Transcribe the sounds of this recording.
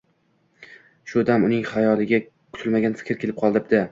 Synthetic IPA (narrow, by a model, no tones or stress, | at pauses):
ʃʊd̪amʊnɪŋχajɒlˠɪɡʲa | kʰʊt̪ʰɪlmaɡʲanfɪ̥kʲɾkʲʰelɪp̚qʰɒlˠd̪ɪp̚d̪̥ɪ